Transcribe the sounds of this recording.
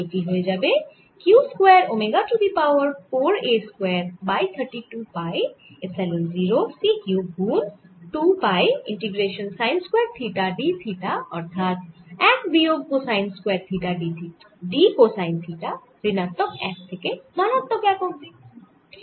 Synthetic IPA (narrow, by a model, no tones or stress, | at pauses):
okiɦoed͡ʒɐbe | kjuːskwɛːɾomeɡaʈud̪ipaːwəɾpoːɾeskwɛːɾbaːit̪ʰəɾʈiʈuːpaːesɛlənziːɾosiːkjuːbuːnʈuːpaːjɪ̃ɳʈiɡɾeːʃənsaːɪnskwɛːɾt̪ʰiːʈaɖit̪ʰiːʈaɔɾt̪ʰaːt̪ɛːkbioːɡ̚kosaːɪnskwɛːɾt̪ʰiːʈaɖit̪ʰi | ɖiːkosaːɪ̃nt̪ʰiːʈa | ɾɪnat̪ɔkɛːk̚t̪ʰekemanɔt̪ːɔkɛːkokd̪i